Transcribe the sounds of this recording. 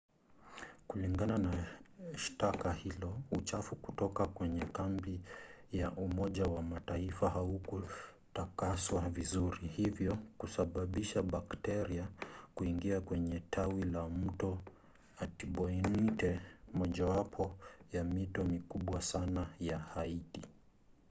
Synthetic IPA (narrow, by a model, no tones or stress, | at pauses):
kuliŋɡananaʃtakahilɔut͡ʃafuku̥tɔkakwɛɲɛkambijaʔumɔʄawamataifaɦauku | takaswavizuɾihivjɔkusaɓaɓiʃaɓaktɛɾiakuiŋɡiakwɛɲɛtʰawilam̩tɔ | atiɓɔinitɛmɔʄawapʰɔjamitɔmikuɓwasanajahaiti